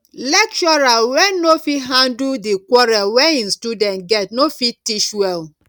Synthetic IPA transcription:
lɛk̚t͡ʃɔɹawɛnofiɦãndudikwɔɹalwɛĩnstudɛ̃ntɡɛtnofitiʃwɛl

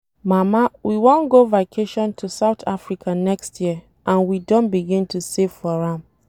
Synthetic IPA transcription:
mamawʔiwɔ̃nɡovakʰeʃɔ̃ntʰusaʊtʰafɹikʰanɛkstʰjiə | ʔãnwidõnbiɡĩntʰusevfɔɹãm

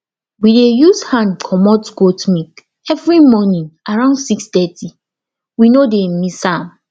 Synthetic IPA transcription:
widejushãnkʰɔmɔtɡotmik | ɛvɹimɔnĩŋʔaɹãʊndsikstɛti | winodemisãm

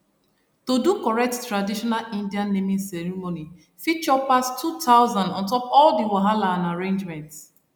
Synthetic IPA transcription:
todukɔɹɛk̚ttːɹadiʃɔnalĩndiãnːemĩnsɛɹimoni | fit͡ʃɔpastʰutʰaʊzãndɔ̃ntɔpɔldiwaɦalaãnaɹẽnd͡ʒmɛ̃nt

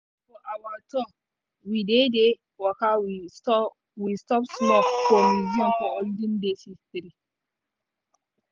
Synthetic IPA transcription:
fɔʔawatʰɔ | widede | wɔkawi | wistɔpsmɔpfɔmiziɔ̃nfɔolidĩndesitɾi

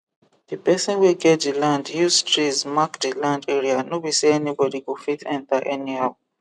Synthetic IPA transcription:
dipɛsɔ̃nweɡɛt̚dilãndhustɹitsmakdilãndeɹianobiseɛnibɔdikofitɛ̃ntaʔɛnihaw

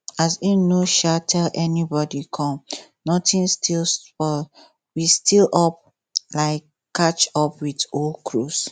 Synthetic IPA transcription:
asinoʃatʰɛlʔɛnibɔdikʰɔ̃m | nɔtĩnstʰilspɔ | wistilʔɔp̚ | laɪkː | at͡ʃɔpwidolkʰɹus

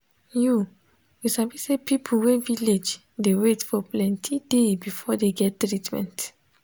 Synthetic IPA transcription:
ju | wiʃabisepipʰuwɛviled͡ʒ | dewetfɔplɛ̃ntʰidebifɔdeɡɛtːɹitmɛ̰̃nt

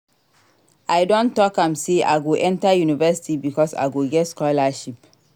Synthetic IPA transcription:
ʔaɪdõntɔkãmseʔa̰ɪɡoʔɛ̃ntajunivɛsi̥tibikɔsa̰ɪɡoɡɛtskɔlaʃip

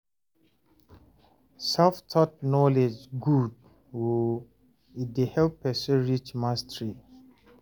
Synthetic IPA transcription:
saftʰɔt̚nɔled͡ʒɡud | wo | idehɛlpːɛsɔɹit͡ʃmastəɹi

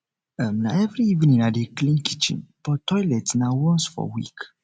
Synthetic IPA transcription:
amnaɛvɾiivnĩnadeklĩnkʰi̥t͡ʃḭ̃nb̥ɔtɔjlɛtnawɔ̃nsfɔ̰wḭk

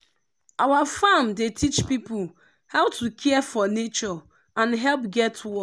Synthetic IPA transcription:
awafãmdetʰit͡ʃpipul | haʊwtʰukʰɛɛfɔnet͡ʃɔ | ãnɦɛlp̚ɡɛtwɔ

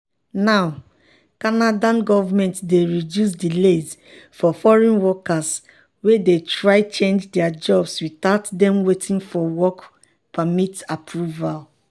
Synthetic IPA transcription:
naʊ | kanadãnɡɔvamɛ̃ntdeɹidjus̬dilez | fɔfɔɹɛ̃nwɔkas | wedetɹaɪt͡ʃẽnd͡ʒdɛad͡ʒɔbswitaʊtdɛ̃mwetʰĩnfɔwɔk | pʰamitapʰɹuval

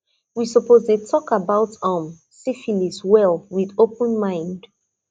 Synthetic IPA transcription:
wisəpoztutʰɔkabaʊtʌ̃m | sifiniswɛlˠwiðopə̃nmãɪ̃nd

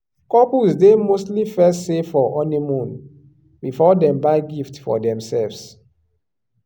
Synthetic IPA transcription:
kɔpusdemostlifɛstsefɔʔɔnimũn | bifɔdɛ̃mbaɪɡiftfɔ̰dɛ̃msɛlvs

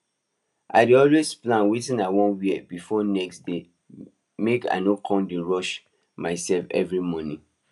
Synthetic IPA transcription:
ʔa̰ɪdiɔlwesplãnwitĩnawɔ̃nwibifɔnɛksde | meka̰nokʰɔ̃mdĩɹɔʃ | maɪsɛlfɛ̰vɹimɔ̃nĩ

